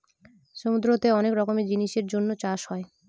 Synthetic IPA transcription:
ʃomud̪ɾoot̪eɔnekɾɔkomed͡ʑiniʃeɾd͡ʑonːot͡ɕaʃɦɔe

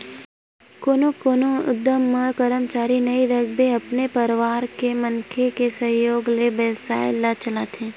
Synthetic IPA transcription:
koːnokoːnoʊ̰d̪ːəmːɐkəɾəmt͡ʃaːɾinɐid̪ɐɡ̚beɐpnepɐɾʋaːɾkemɐnkʰekesɐɦjoːɡlebɛːlsa̰ːɪlːat͡ʃəlaːt̪ʰẽː

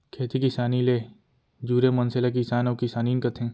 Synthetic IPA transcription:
kʰeːt̪ikisaːnileː | d͡ʒuːɾemɐnselak̬isaːnokisaːniːnkɐt̪ʰẽː

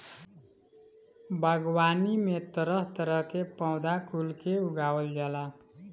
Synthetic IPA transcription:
bʱʌɡwanimet̪ʌɾʌɦt̪ʌɾʌkepawd̪akulkeuɡawʌld͡ʒala

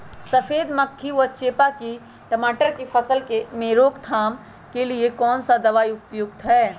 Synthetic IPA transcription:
sɐfeːd̪mɐkʰːiʋət͡ʃeːpaki | ʈəmaːʈəɾkipʰɐsəlkemeːɾoːkt̪ʰaːm | keliekɔːnsad̪ɐʋaːiʊpjʊɡ̚t̪ɦɛː

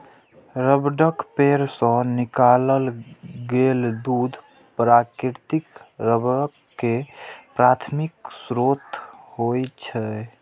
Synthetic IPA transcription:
ɾəbɖəkpeɾsə̃nikaləlɡeld̪ud̪ʱ | pɾakɾiɾt̪ikɾəbɾəkːepɾat̪ʰmiksɾot̪hojt͡ʃʰɛ

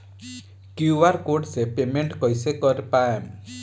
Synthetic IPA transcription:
kjuaɾkoɖsepemeɳʈkɔjsekɔɾpaem

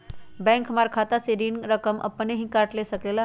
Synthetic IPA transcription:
bɛ̃ŋkmaɾkʰat̪aseɾinɾəkəmʔə̰pəneɦĩkaʈlesəklela

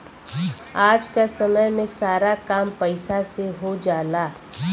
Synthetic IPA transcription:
aːd͡ʒkasɐməjmẽsaːɾakaːmpɛɪsaseɦod͡ʒaːlaː

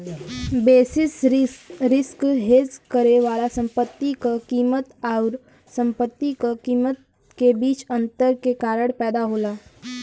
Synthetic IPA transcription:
beːsɪs | ɾɪskɦeːd͡ʒkəɾeʋaːlasə̃mpət̪ːikokiːmət̪aʊɾ | sə̃mpət̪ːikokiːmət̪ | kebiːt͡ʃɐ̃nt̪əɾkekaːɾəɽpɛːd̪aɦoːlaː

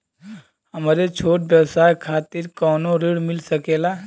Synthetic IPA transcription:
ɦəmɾet͡ʃʰoːʈ̚bjəwsaːjkʰaːt̪ɪɾkɔːnoɾiɽmɪlsəkeːla

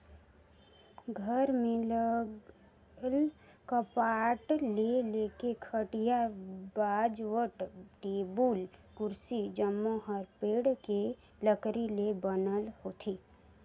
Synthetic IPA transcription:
ɡʱəɾmẽlə | lkəpaʈlelekekʰəʈijabad͡ʒʋəʈʈebuːlkʊɾsid͡ʒəmːoɦəɾpeːɽke | ləkɾilebənəlɦot̪ʰiː

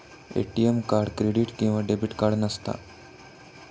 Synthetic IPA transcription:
ḛʈiemkaɾɽkɾeɽiʈkĩw̃ʋaɖebiʈkaɾɽnəst̪a̰

